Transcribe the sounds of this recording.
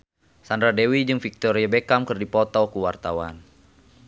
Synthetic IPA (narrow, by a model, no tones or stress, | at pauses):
sandɾadɛwid͡ʒɨŋfik̚t̪ɔɾiabekamkɨrdipɔt̪ɔkuwart̪awa̰n